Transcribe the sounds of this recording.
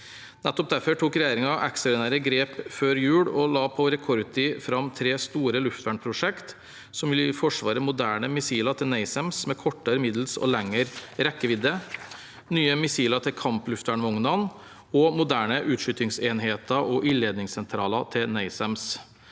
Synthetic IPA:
nɛt̪ːɔp̚d̪æɾfɔʈʰuːkɾɛjeːɾɪŋɑʔɛ̰ksɑɾɪnæːɾəɡɾeːpføːɾjʉːɽɔlɑːpʰɔɾɛkʰɔɾt̪ʰɪfɾɑmt̪ʰɾeːst̪uːɾəlʉft̪ʋæːɳpʰɾʊʂɛkt̪ | sɔmʋɪlfɔʂʋɑːɾəmʊd̪æːɳəmɪsiːlɑt̪ʰɪlnæɪsɛmsmɛkʰɔʈːəɾəmɪd̪l̩sɔ̰lɛŋːəɾɾɛkːəʋɪd̪ə | nyːəmɪsiːlɑt̪ʰɪlkʰɑmplʉft̪ʋæːɳʋɔŋnɑn | ɔmʊd̪æːɳəʔʉːt̪ʂʏt̪ɪŋseːnɦeːt̪əʔɔʔɪleːd̪nɪŋsɛnt̪ʰɾɑːlɑt̪ʰɪlnæɪsɛms

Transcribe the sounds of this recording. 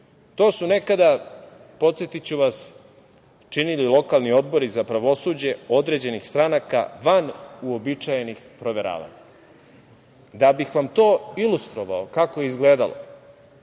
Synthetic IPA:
t̪o̞ːsune̞kad̪a | po̞t̪sjet̪it͡ɕuʋas | t͡ʃinililˠo̞kalˠnio̞d̪̚bo̞ɾizapɾaʋo̞suːd͡ʑe̞o̞d̪ɾe̞d͡ʑe̞nixst̪ɾanaka̰ʋanuo̞bit͡ʃajenixpɾo̞ʋe̞ɾa̰ːʋa̰ɲa | d̪abixʋamt̪o̞ːilust̪ɾo̞ʋa̰okakoje̞izɡleːd̪alo̰

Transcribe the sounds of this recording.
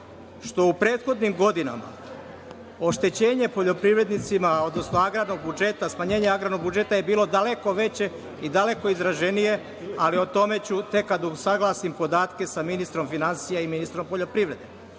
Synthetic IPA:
ʃt̪o̞upɾe̞ːt̪xo̞d̪nimɡo̞d̪ina̰ma̰ | o̞ʃt̪e̞t͡ɕe̞ːɲe̞po̞ʎo̞pɾiʋɾe̞d̪nit̪simao̞d̪no̞snoaɡɾad̪no̞ɡ̚bud͡ʒe̞t̪asmaɲe̞ːɲeaɡɾano̞ɡbud͡ʒe̞t̪ajebiːlˠo̞d̪ale̞ko̞ʋe̞t͡ɕe̞ | id̪ale̞ko̞izɾaʒe̞nije̞ | alio̞t̪o̞me̞t͡ɕut̪e̞kːad̪usaɡlˠaːsimpo̞d̪aːt̪ke̞saminist̪ɾo̞mfinansijaiminist̪ɾo̞mpo̞ʎo̞pɾiʋɾe̞d̪e̞

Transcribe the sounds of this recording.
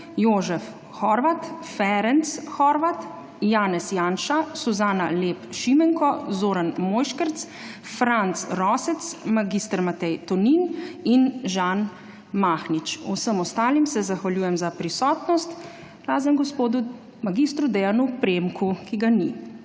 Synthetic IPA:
joːʒɛf | xɔɾʋat̪fɛɾɛnt̪sxɔɾʋat̪ | jaːnɛsjaːnʃasuzaːnaleːpʃimɛŋkɔzoːɾanmoːjʃkəɾt̪s | fɾant̪sɾɔːsɛt̪smaɡist̪əɾmat̪ɛjt̪ɔnininʒan | maːxnit͡ʃṵsəmɔst̪aːlimsɛzaxʋaljuːjɛmzapɾisɔːt̪nɔst̪ | ɡɾaːzəmɡɔspoːd̪u | maɡist̪ɾud̪ɛjanupɾemkukiɡani

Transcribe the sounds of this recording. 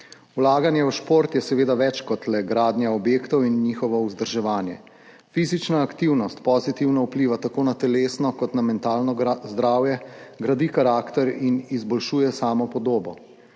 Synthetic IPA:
ulaːɡanjɛuʃpoɾt̪jɛsɛʋeːd̪aʋɛt͡ʃkɔt̪lɛɡɾaːd̪nʲjaɔbjeːkt̪ɔwinːiːxɔʋɔuzd̪əɾʒɛʋaːnjɛ̰ | fiːzit͡ʃnaːkt̪iwnɔst̪pɔzit̪iwnaupliʋat̪akoːnat̪ɛleːsnɔkɔt̪namɛnt̪aːlnɔzd̪ɾaːwjɛɡɾad̪ikaɾaːkt̪ɛɾinizbɔlʃuːjɛsaːmɔpɔd̪oːbɔ

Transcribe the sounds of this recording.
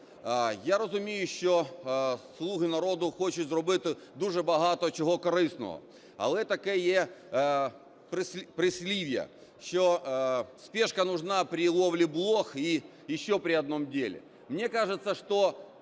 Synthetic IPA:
ajaɾəzʊmʲejʊɕːo | slˠuɣɪnɐɾo̞d̪ʊxot͡ɕɪzɾʊbɨt̪ʲ | d̪uʐɨbɐɦat̪əət͡ɕɪɦokɐɾɨsnə̰ʋə̰ | ɐ̰lˠɛt̪ɐkɛje | pɾɨsʲpɾɪsʲlʲiʋʲɪjə̰ | ɕːospʲeʂkɐnʊʐnapɾʲɪlˠoʋlʲɪblˠoxi | jɪɕːopɾʲɪɐd̪̚no̞mdʲelʲɪ̰ | mnʲekaʐɨt̪səʂt̪o

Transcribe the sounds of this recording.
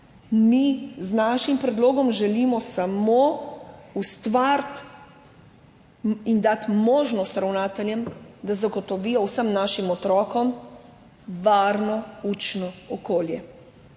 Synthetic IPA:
miznaʃimpɾɛd̪loːɡɔmʒɛlimɔsamo | ust̪ʋaɾt̪ | ind̪at̪moːʒnɔst̪ɾawnaːt̪ɛljɛmd̪azaɡɔt̪ɔʋiːjɔwsəmnaʃimɔt̪ɾɔːkɔm | ʋaːɾnɔuːt͡ʃnɔɔkoːljɛ

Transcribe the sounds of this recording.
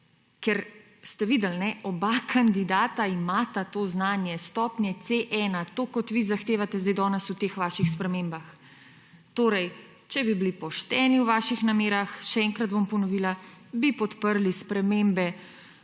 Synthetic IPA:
kɛɾ | st̪ɛʋiːd̪ɛlnɛʔɔbakʰand̪id̪aːt̪aimaːt̪at̪oːznaːnjɛst̪ɔːpnjɛt̪seʔɛnat̪oːkɔt̪ʋizaxt̪eːʋat̪ɛzd̪ajd̪ɔːnɛsut̪eːxʋaːʃixspɾɛmembax | t̪oːɾɛj | t͡ʃɛbibilipɔʃt̪ɛːniwʋaːʃixnameːɾaxʃɛɛŋkɾad̪̚bompɔnɔʋiːlabipɔt̪pəɾlispɾɛmembɛ

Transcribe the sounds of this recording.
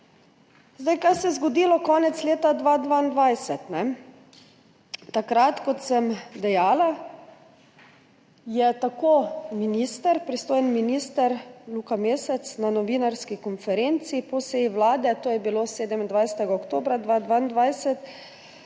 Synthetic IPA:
zd̪ajkajsɛjɛzɡɔd̪ilɔkɔːnɛt̪sleːt̪ad̪ʋaːd̪ʋaːind̪ʋajsɛt̪nɛ | t̪akɾat̪kɔt̪səmd̪ɛjaːla | jɛt̪akominist̪əɾpɾist̪oːjənminiːst̪əɾlukameːsɛt̪snanɔʋiːnaɾskikɔnfɛɾent̪sipɔseːjiʋlaːd̪ɛt̪oːjɛbiloːseːd̪ɛmind̪ʋajsɛ̥t̪ɛɡaɔkt̪oːbɾad̪ʋad̪ʋaind̪ʋajsɛt̪

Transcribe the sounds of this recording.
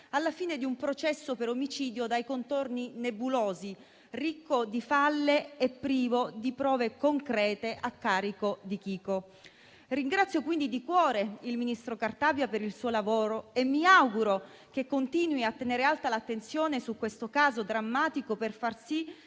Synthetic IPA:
alːafiːned̪iumpɾot͡ʃɛsːopeɾomit͡ʃiːd̪jod̪ajkont̪orninebuloːzi | rikːod̪ifalːeepːɾiːvod̪ipɾɔːvekoŋkɾɛːt̪eʔakːaːɾikod̪ik̟iːko | riŋɡɾat̪sːjokwind̪id̪ikwɔːɾeilminist̪ɾokart̪aːbjapeɾilsuːolavoːɾoemːiawɡuɾo | kekːont̪iːnwiat̪ːeneːɾealt̪alat̪ːent̪sjoːnesukwest̪okaːzod̪ɾamːaːt̪ikoperfarsi

